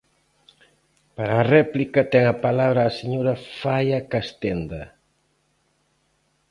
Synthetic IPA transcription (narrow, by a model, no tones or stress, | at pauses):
paɾaːrɛplikɐt̪ɛŋapalaβɾaːseɲoɾɐfajakast̪end̪ɐ